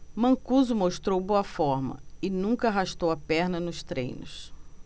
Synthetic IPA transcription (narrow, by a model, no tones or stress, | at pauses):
mɐ̃kuzʊmoʃt̪ɾowboɐfɔɾmɐ̰ɪnũŋkɐaɦaʃt̪owɐpɛɾnɐnʊst̪ɾḛ̃jnʊs